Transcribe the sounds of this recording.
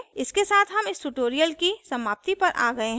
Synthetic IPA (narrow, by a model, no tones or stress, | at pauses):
ɪskesaːt̪ʰɦɐmɪsʈuʈoːɾijəlkisɐmaːp̚t̪ipɐɾʔa̰ːɡɐeɦ